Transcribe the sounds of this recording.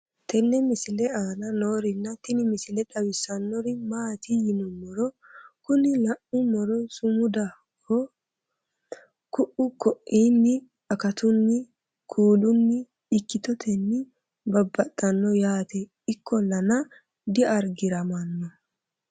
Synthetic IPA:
t̪ɛnːɛmɪsɪlɛaːnɐno̞ːɾɪnːɐt̪ɪnɪmɪsɪlɛᶑɐwɪsːɐnːɔɾɪmaːt̪ɪjɪnɔmɔɾɔ | kʊnɪlɐʔʊmɔɾɔsʊmʊd̪a | kʰːɔ | kʊʔʊkɔʔiːnːɪ | ɐkɐt̪ʊnːɪ | kʰuːlʊnːɪː | kːɪt̪ɔt̪ʰɛnːɪ | bɐbːɐt̪ʼːɐnːɔjaːt̪ɛ | ɪkʰːɔlɐnɐ | d̪ɪʔɐɾɡɪɾɐmɐnːɔ

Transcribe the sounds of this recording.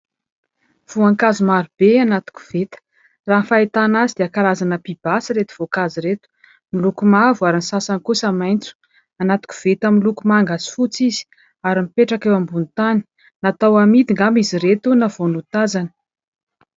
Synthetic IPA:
v̥uaŋkazumaɾub̥eanat̪u̥ku̥v̥et̪ə̥ | raɦnfaet̪anazid̪̥eakalazanəpib̥asəɾet̪u̥v̥okaziɾet̪u̥ | milukumavuaɾinisasankusamajnt͡su̥ | anat̪u̥kʲu̥v̥et̪amilukumaŋɡasi̥fut͡sizi̥ | aɾimipeʈ͡ʂakewambunt̪ani̥ | nat̪awamid̪iŋɡamiziɾet̪unavonut̪azanə̥

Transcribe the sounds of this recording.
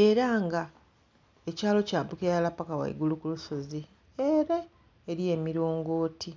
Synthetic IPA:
e̞ɾaŋɡa | ecaːlo̞caːpukejaalapakawa̰ḭɡulukuluso̞zi | eɾeː | ɾije̞ːmiɾo̞ːŋɡo̞ːtʰi

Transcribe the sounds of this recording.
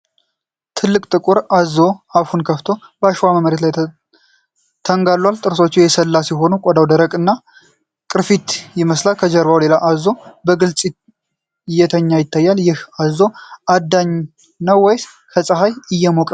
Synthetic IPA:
t̪ʰɨlːɨkʼt̪ʼɨkʼuɾazo̞aβhunkʰəft̪ʰo̞bəaʃwaməməɾet̪laj | t̪ʰəŋɡalːwalt̪ʼɨɾso̞t͡ʃːɛjɛsəlːasjɛɦo̞nukʼɔd̪awd̪əɾəkʼɨnːa | kʼɨɾfit̪jɪməslalkʰəd͡ʒəɾbawle̞laʔazːo̞bəɡɨlt͡sʼ | jɛt̪ʰəɲːajɪt̪ʰːajːaljɪhazo̞ʔad̪ːaɲ | nəwːɔjs | kʰəsʼəɦajɨjːɛmokʼ

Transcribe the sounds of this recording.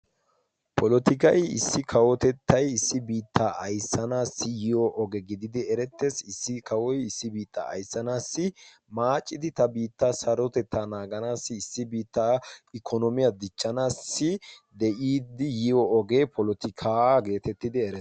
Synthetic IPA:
pʰɔlɔt̪ɪkɐjɪ̰sːɪkʰɐwɔt̪ɛt̪ʰːɐjɪsːɪbiːt̪ʰːaɐjsːɐnaːsɪjɪjɔʔɔɡɛɡɪd̪ɪd̪ɪɛɾɛt̪ːesɪsːɪkɐwɔjɪsːɪbiːt̪ːa̰ɐ̰jsːɐnaːsːɪ | maːt͡ʃʼːɪd̪ɪt̪ɐbiːt̪ːasɐɾɔt̪ɛt̪ːaːnaːɡɐnaːsːɪɪsːɪbiːt̪ːaɪkʰɔnɔmɪjɐd̪ɪt͡ʃːɐnaːsːɪd̪ɛʔiːd̪ɪjɪɔɔɡeːpʰɔlɔt̪ɪkʰaɡe̞ːt̪ɛt̪ːɪd̪ɪɛɾɛ

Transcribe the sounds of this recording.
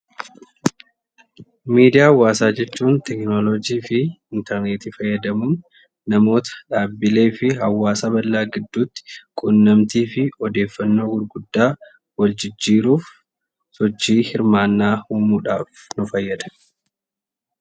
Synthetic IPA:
miːd̪ɪjaːwːaːsaːd͡ʒɛt͡ʃːuːnt̪ɛknolɔd͡ʒiːfɪɪnt̪ɛɾneːt̪iːfɐjːɐd̪ɐmuːn | nɐmo̞ːt̪ɐ̥ᶑaːbːɪle̞ːfɪɦɐwːaːsaːbɐlːaːɡɪd̪ːuːt̪ːɪ̥kʼʊnːɐmt̪iːfɪɔd̪e̞ːfːɐnːo̞ːɡʊɾɡʊd̪ːaː | wɐld͡ʒɪd͡ʒːiːɾuːf | sɔt͡ʃːiːhɪɾmaːnːaːhuːmuːᶑaːf | nʊfɐjːɐd̪ɐ

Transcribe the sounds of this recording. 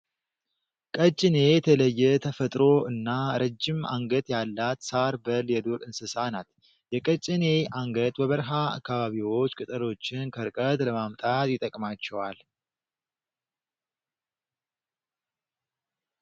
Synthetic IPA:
kʼət͡ʃʼːɪne̞jɛt̪ʰələjːɛt̪ʰəfət̪ʼɾo̞ɨnːaɾəd͡ʒːɪma̰ŋɡət̪ʼjalːat̪saɾbəljɛd̪oɾɨnsɨsanat̪ | jɛkʼət͡ʃʼːɪne̞ʔaŋɡət̪ʼbəβəɾɦaa̰kːaβaβiwo̞t͡ʃːkʼɨt̪ʼəlo̞t͡ʃːɪnkʰəɾkʼət̪ʼləmamt̪ʼat̪jɪt̪ʼəkʼmat͡ʃːɛwal

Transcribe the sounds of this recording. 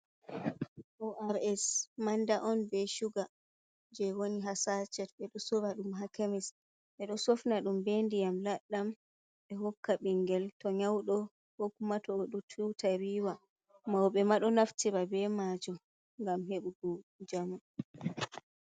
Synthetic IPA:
ʔɔʔaɾɛsmandaʔɔnbɛʃuɡa | d͡ʒɛwoniɦasat͡ʃɛtɓɛɗɔsovaɗumɦakɛmɛs | ɓɛɗɔsofnaɗumbendijamlaɗːam | ɓɛhɔkːaɓiŋɡɛltɔɲawɗɔ | wokumatɔoɗutʰutʰaɾiːwa | mawɓɛmaɗɔnaftiɾabɛmad͡ʒɔ | ŋɡamɦeɓuɡud͡ʒamu

